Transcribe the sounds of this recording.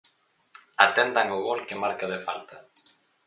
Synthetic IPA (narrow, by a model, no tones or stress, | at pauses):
at̪ɛnd̪aŋʊɣolkɪmaɾkaðefa̰lt̪ɐ